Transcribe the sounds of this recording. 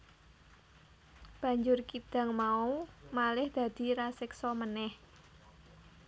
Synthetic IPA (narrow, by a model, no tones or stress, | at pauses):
b̥ä̤ɲd͡ʒʊrkid̪̥a̤ŋmaumalɪhd̪̥ä̤d̪̥i̤ɾasɪksɔmənɛh